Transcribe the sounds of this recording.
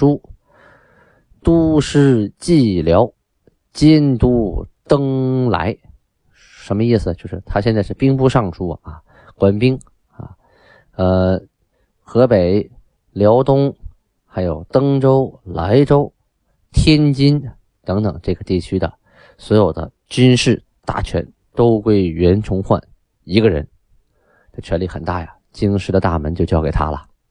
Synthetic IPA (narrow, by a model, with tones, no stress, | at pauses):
u˥ | t̪u˥ʂɻ̩˥˧t͡ɕi˥˩ljɑ˧˥ʊ | t͡ɕɛ˥nt̪u˥˧˩t̪ɤ˥ŋla̰˧˥ɪ | ʂə˧˥nmə˧i˥˩sɹ̩˩t͡ɕjo˥˧ʊʂɻ̩˥˩t̪ʰa˥ɕ̬jɛ˥˧nt͡sa˥˧ɪʂɻ̩˥˩pi˥ŋpu˥˧ʂɑ˥˩ŋʈ͡ʂʰu˥ɐ̰˨˩a̰˧˩ | kwa˥npi˥ŋ | a̰˥˧˩ | ə˧ | xɤ˧˥pe˨˩ɪ | ljɑ˧˥ʊt̪ʊ˥ŋ | xa˧˥ɪjo˨˩ʊt̪ɤ˥ŋʈ͡ʂo˥ʊla˧˥ɪʈ͡ʂo˥ʊ | t̪ʰjɛ˥nt͡ɕi˥n | t̪ɤ˧˥ŋt̪ɤ˨˩ŋʈ͡ʂɤ˥˩ɡə˩t̪i˥˩t͡ɕʰy˥d̪ə̰˨ | swɔ˧˥jo˨˩ʊd̪ə̰˦ | t͡ɕy˥nʂɻ̩˥˩ | t̪a̰˥˩t͡ɕʰɥɛ̰˧˥n | t̪o˥ʊkwe˥˩ɪɥɛ˧˥nʈ͡ʂʰʊ˧˥ŋxwa̰˥˩n | i˧˥ɡə˧ɻə̰˧˥n | t̪ə˧˩t͡ɕʰɥɛ˧˥nli˥˩xə̰˨˩nt̪a̰˥˩jɐ˩t͡ɕi˥ŋʂɻ̩˥˩d̪ə˩t̪a̰˥˩mə˧˥nt͡ɕjo˥˧ʊt͡ɕjɑ˥˩ke˨˩ɪt̪ʰa̰˥lə̰˨